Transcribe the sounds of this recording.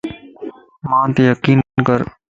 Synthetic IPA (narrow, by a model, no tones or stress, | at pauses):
mãːt̪eːjəkiːnkəɾ